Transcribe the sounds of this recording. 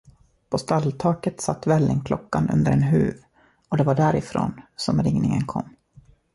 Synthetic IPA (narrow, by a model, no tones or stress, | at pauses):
pʰɔst̪alːt̪ʰɑːkət̪sat̪ːvɛlːɪŋkʰlɔkːanɵ̰nd̪əɾɛnɦʉ̟̰ːv | ɔd̪ɛvaɖæɾɪfɾo̰ːnsɔmɾɪŋnɪŋənkʰɔ̰mː